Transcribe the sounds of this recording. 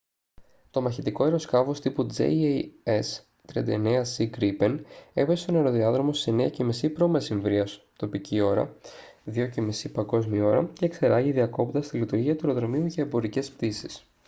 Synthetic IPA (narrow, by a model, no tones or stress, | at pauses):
t̪o̞mɐçit̪iko̞e̞ɾo̞skɐvo̞st̪ipud͡zḛes | t̪ɾiɐ̰nd̪ɐ̰ene̞ɐsiɡɾipe̞ne̞vesest̪o̞ne̞ɾo̞ðiɐðɾomosise̞neɐce̞misipɾo̞mesiɱvɾiɐs | t̪o̞picio̞ɾɐ̰ðio̞cemisipɐŋɡo̞zmio̞ɾɐce̞kse̞ɾɐʝiðiɐko̞pt̪ɐst̪ilit̪uɾʝiɐt̪ue̞ɾo̞ðɾo̞miuʝɐe̞bo̞ɾice̞spt̪isis